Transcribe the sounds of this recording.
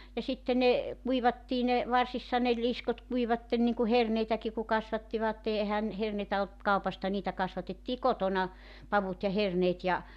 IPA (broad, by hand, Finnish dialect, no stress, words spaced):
jɑ sitːe ne kuiʋɑtːiː ne ʋɑrsisːɑ ne liskot kuiʋɑtːen niŋku herneitæki ku kɑsʋɑtːiʋɑtːe ehæn herneitæ olt kɑupɑstɑ niːtæ kɑsʋɑtetːiː kotonɑ pɑʋut jɑ herneːt jɑ